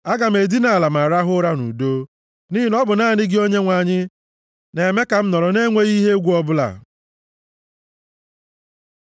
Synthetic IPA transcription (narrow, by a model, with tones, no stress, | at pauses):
a˦ɡa˨m̩e˨di˦na˨la˨ma˨ɾa˦ɦʊ˦ɾa˦nṵ˨do˦ | ni˦ɦɪ˦nɔ˦bʊ˨naː˦˨ɲɪ˦ɡɪ˦o˦ɲe˦ŋʷa˨ɲɪ˦ | ne˨me˦ka˨m̩˦nɔ˨ɾɔ˨ne˦ŋʷe˦ɣi˦ɦe˦ɡʷu˦ɔ˦bʊ˦la̰˨